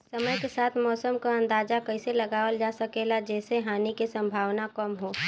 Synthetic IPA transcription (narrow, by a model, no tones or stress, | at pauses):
səməjkesaːt̪ʰmɔːsəmkaɐ̃nd̪aːd͡ʒakɐɪselɐɡaːʋəld͡ʒaːsɐkelad͡ʒɛːseɦaːnikisə̃mbʱaːʋnakəmɦoː